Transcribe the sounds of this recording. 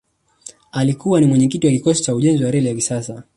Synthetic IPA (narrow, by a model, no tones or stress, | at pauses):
alikuwanimwɛɲɛkitijakikɔsi̥t͡ʃauʄɛnziwaɾɛlijakisasa